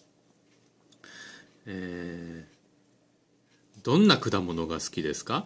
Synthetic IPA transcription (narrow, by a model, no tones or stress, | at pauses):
eː | d̪õ̞nːakɯ̟d̪amo̞no̞ɡasɨ̥kʲid̪e̞sɨ̥ka